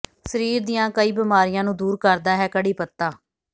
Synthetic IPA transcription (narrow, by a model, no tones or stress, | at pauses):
səɾiːɾd̪ɪjãːkəiːbɪmaːɾɪjãːnũːd̪uːɾkəɾd̪aːɦɛːkəɽiːpət̪ːaː